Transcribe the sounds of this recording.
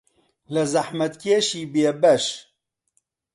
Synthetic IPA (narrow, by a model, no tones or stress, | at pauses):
lɨzaħmɐt̪kʰeːʃiːbeːbɐʃ